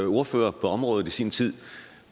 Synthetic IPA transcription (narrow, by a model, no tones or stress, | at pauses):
o̝ɐfø̰ːɐpʰɒ̽ɒ̽mʁɔ̽ːð̩ˠisiːnt͡sʰið̰ˠ